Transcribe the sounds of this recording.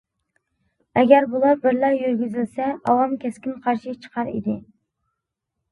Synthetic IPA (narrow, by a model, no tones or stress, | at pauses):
ɛɡʲæɾbulˠɑɾbɪɾlæɾjyɾɡʲyzɪlsɛɑwɑmkʲʰɛskʲinqʰɑɾʃit͡ʃʰə̥qʰɑɾḭd̪ɪ